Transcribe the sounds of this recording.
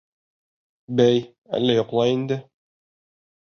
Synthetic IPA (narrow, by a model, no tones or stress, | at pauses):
bæj | æ̰lːæjŏqlˠɑjind̪ɘ